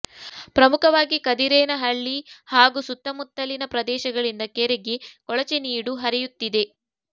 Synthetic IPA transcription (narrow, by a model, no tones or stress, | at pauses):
pɾɐmukɐʋaːɡikɐd̪iɾɛːnɐɦɐɭːihaːɡusut̪ːɐmut̪ːɐlinɐpɾɐd̪ɛːʃɐɡɐɭind̪ɐkeɾeɡekɔɭɐt͡ʃeniːɽuɦɐɾɛjut̪ːid̪e̞